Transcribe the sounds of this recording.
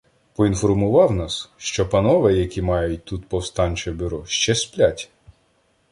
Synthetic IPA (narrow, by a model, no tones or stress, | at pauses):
pɔinfɔrmʊʋɑwnɑsʃt͡ʃɔpɐnɔʋɛjɐkʲimɑjʊt̚ʲt̪ut̪pɔwst̪ɑnʲt͡ʃɛbʲʊɾɔʃt͡ʃɛsplʲatʲ